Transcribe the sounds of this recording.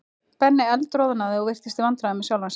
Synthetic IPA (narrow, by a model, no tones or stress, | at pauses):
pɛnːɪɛlt̪ɾoːðanaðɪɔɣvɪr̥t̪ɪst̪ɪvant̪ɾaɪmɛsjaːwlans